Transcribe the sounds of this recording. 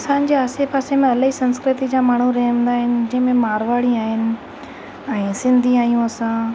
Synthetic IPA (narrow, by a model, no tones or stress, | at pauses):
ɐsãːnd͡ʑeaːsepaːsemẽɐləɦisɐ̃nskɾɪt̪id͡ʑaːmaːɳ̤uɾɐɦə̃nd̪aːɦɪnɪ̆d͡ʑɐ̃ɦɪ̃mẽmaːɾʋaːɽiaːɦɪnɪ̆ | ɛ̃ːsɪ̃nd̪ʱiaːijũɐsãː